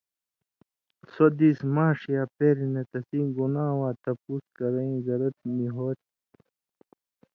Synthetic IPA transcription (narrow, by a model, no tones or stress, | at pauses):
sod̪iːsmaːʂijaːpeːɾinet̪ɐsiːɡunaːwaːt̪ɐpuːskɐɾɐĩzɐɾɐt̪̚miɦoːt̪̚